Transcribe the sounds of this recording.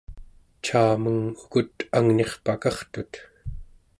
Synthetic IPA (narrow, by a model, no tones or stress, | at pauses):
t͡ʃʰaːməŋukut̪aŋne̞χpakɑχt̪ut̪